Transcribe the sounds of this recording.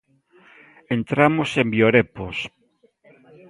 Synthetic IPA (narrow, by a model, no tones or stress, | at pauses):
ent̪ɾamosembjoɾepos